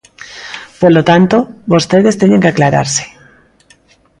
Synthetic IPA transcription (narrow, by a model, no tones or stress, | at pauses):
polot̪ant̪oβost̪eðest̪eɲeŋkeaklaɾa̰ɾse̥